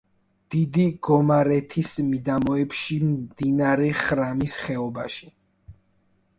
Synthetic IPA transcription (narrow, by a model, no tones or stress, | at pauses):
d̪̥id̪iɡ̥ɔmaɾɛt̪ʰismid̪amɔɛpʃimd̪inaɾɛχɾamisχɛɔbaʃi̥